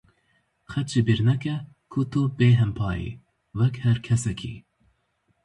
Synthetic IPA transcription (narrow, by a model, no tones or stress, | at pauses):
xɛtt͡ʃibiɾnɛkɛ | kʰut̪ʰubeːɦɛmpʰɑːjḭ | wɛkhɛɾkʰɛsɛkʰḭː